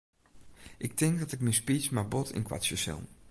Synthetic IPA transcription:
ʔɪk̚tɪŋkdɑtɪkmɪspismabɔtʰɪ̰nkʋa̰t͡ʃəsɪ̰lˠ

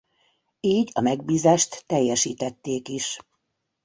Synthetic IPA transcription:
iːɟɒmɛɡ̚biːzaːʃt̪ːɛjːɛʃiːt̪ɛt̪ːeːkiʃ

